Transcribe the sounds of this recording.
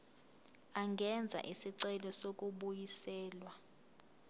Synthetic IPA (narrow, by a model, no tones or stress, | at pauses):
aŋɡʱɛnd͡zʱa̰ʔisiǀɛlɔsok̬ʼuɓujisɛːlwa